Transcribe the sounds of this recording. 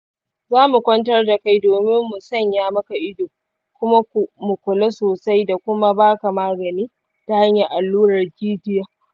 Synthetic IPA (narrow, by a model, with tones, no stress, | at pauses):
zaː˦mu˨kʷɐ˦ntɐ˦rda˨ka˦jdoː˨mɪ˦mːʊ˨sɐ˦˨ɲjaː˦mɐ˦ka˨ʔɪ˦doː˨ | kʷʊ˦ma˦kʷu˨mʊ˨kʷʊ˨le˦soː˨sa˦jda˨kʷʊ˦ma˦baː˦ka˨maː˦ɡɐ˨niː˦ | ta˨ha˦ɲja˨ʔa˨lːuː˦ɾɐ˨rkʲiː˦tɪ˦jaː˦